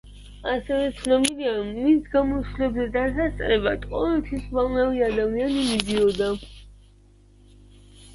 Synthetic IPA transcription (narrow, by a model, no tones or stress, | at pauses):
asɛvɛt̪sʰnɔbiliamisɡamɔslɛbzɛd̪asast̪sʼɾɛbat̪ʼqʼɔvɛlt̪ʰwisvalnaviad̪amianimid̪iɔd̪a